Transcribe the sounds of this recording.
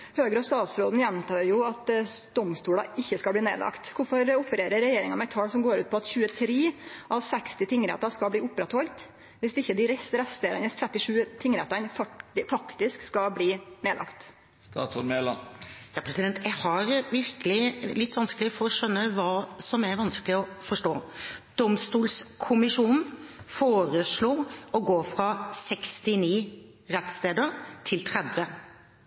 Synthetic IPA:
høːɡɾɔst̪ɑːt̪sɾoːd̪n̩jɛnt̪ɑːɾjʊɑt̪d̪̥ɔmst̪uːɽɑ̰ʔɪçːəskɑlbliːnḛːlɑ̰kt̪kʊɾfɔɾʊpəɾeːɾəɾːɛjeːɾɪŋɑnɛɪt̪ʰɑːlsɔmɡoːɾʉ̰ːt̪̚pʰɔɑt̪çʉːət̪ʰɾeːʔɑʋsɛkst̪ɪt̪ʰɪŋːɾɛ̰t̪ːɑskɑbliːʊpːɾɛt̪hɔlt̪ | ʋɪsɪçːəd̪ɪɾɛsɾɛst̪eːənəst̪ʰɾɛt̪ːɪʂʉːt̪ʰɪŋːɾɛt̪ːɑnffɑkt̪ɪskskɑbliːneːlʔɑ̰kt̪ | st̪ɑ̰ːt̪ɔnmeːlɑ̰njɑːpʰɾɛsɪd̪ɛnt̪ʰjɛɡhɑɾʋɪɾkəlɪlɪt̪ːʋɑnsklɪfɔɾɔʂœnːəʋɑːsɔmɛʋɑnskəlɪɔfɔʂʈoːd̪̥ɔmst̪uːlskʰʊmɪʂuːnfoːɾəsluːɔɡoːfɾɑsɛkst̪ɪniː | ɾɛt̪st̪eːd̪əɾt̪ʰɪlt̪ʰɾɛd̪ʋə

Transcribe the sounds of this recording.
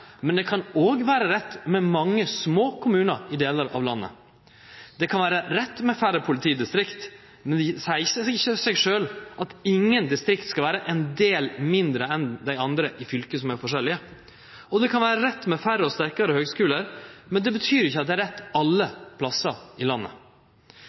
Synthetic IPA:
mɛnd̪ɛkʰɑnoːɡʋæːɾəɾɛt̪ːmɛmɑŋːəsmoːkʰʊmʉːnəɾɪd̪eːləɾɑ̰ʋlɑnːə̰ | d̪̥ɛkʰɑnʋæːɾəɾɛt̪ːmɛfæɾəpʰʊlɪt̪ʰiːd̪ɪst̪ɾɪkt̪ | mɛnsæɪəçəsɛɡʂøːlʔɑt̪ɪŋːənd̪ɪst̪ɾɪkt̪skɑlʋæːɾəʔɛɪnd̪eːlmɪnd̪ɾəɛnd̪æɪɑnd̪ɾəʔɪfʏlkəsɔmæɾfɔʂɛlɪə | ɔd̪ɛkʰɑnʋæːɾəɾɛt̪ːmɛfæɾəɔst̪æɾkɑɾəhøːɡskʉːləɾmɛnd̪ɛbət̪ʰyːɾɪçːəɑt̪d̪ɛæɾɛt̪ːɑlːəpʰlɑsəɾɪlɑnːə̰

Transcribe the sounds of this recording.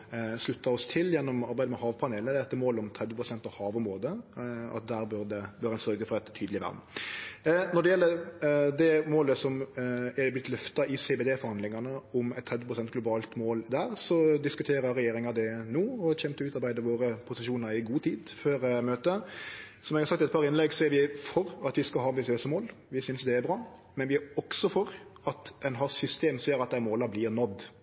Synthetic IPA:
slʉt̪ːɑɔst̪ʰɪljɛnːɔmɑɾbæɪd̪əmɛhɑːʋpʰɑneːlədd̪ɛt̪ːəmoːlɔmt̪ʰɾɛd̪ʋəpʰɾʊsɛnt̪ɑʋhɑːʋɔmʁoːd̪əɑ̰t̪̚d̪æːɾbøɾd̪ɛbøːɾɛnsœɾɡəfɔɾɛt̪ʰːyːd̪lɪʋæ̰ɾm | nɔɖ̪ɛjɛlːəɾd̪ɛmoːləsɔmɛblɪt̪lœft̪ɑʔɪseːbed̪eːfɔɾhɑnd̪lɪŋɑnəɔmɛt̪ʰːɾɛd̪ʋəpʰɾʊsɛnt̪̚ɡlʊbɑːlt̪moːld̪æːɾsɔd̪ɪskʉt̪ʰeːɾəɾɛjeːɾɪŋɑd̪ɛnuːɔçɛmt̪əʉːt̪ɑɾbæɪd̪əɾʋoːɾəpʰʊsɪʃuːnəɾɪɡuːt̪ʰiːd̪føːɾmøːt̪ə | sɔmɛɡɑɾsɑkt̪ɛt̪̚pɑːɾɪnlɛɡsɔɛɾʋɪfɔɾɑt̪ʋɪskɑɦɑːɑmbɪsɪøːsəmoːl | ʋɪsʏnsd̪ɛæɾbɾɑː | mɛnʋɪɔksɔfɔɾɑt̪ɛnɦɑsʏst̪eːmsɔjøːɾɑt̪̚d̪æɪmoːlɑblɪːɾnɔd̪ː

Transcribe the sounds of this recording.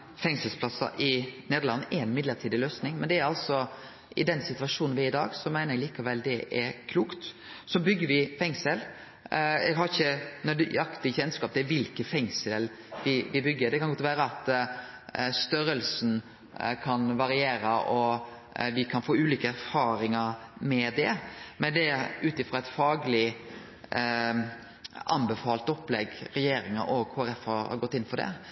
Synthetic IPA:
fɛŋsəlspʰlɑsə̰ʔɪneːd̪əlɑnːʔɛɛnmɪd̪ləɾt̪ʰiːd̪ɪløːsnɪŋmɛnd̪ɛæɾɑlsɔ | ʔɪd̪ɛnsɪt̪ʉʋɑʂuːnn̩ʋɪɪd̪ɑːɡsɔmæɪnəɾɛɡliːkɑʋɛlːd̪ɛʔɛɾkʰluːkt̪ | sɔbʏɡːəɾʋɪfɛŋsəl | ɛɡhɑɾɪçːənœd̪ɑkt̪ɪɪçɛnskɑːp̚d̪ɛʋɪlkəfɛŋsəl | ʋɪʋɪbʏɡːəɾd̪ɛkʰɑnɡɔt̪ʋæːɾəɑt̪ | st̪œɾəlsn̩ | kʰɑnʋɑɾɪeːɾəʔɔ | ʋɪkʰɑnfoːʉːliːkəæɾfɑːɾɪŋəɾmɛd̪ɛmɛnd̪ɛʉːt̪ɪfɾɑɛɪt̪fɑːɡlɪ | ʔɑ̰nbɛfɑːlt̪ɔplɛɡɾɛjeːɾɪŋəʔɔɡhoːæɾɛfɑɾhɑ̰ɾɡɔt̪ːɪnːfɔɖɛ̰

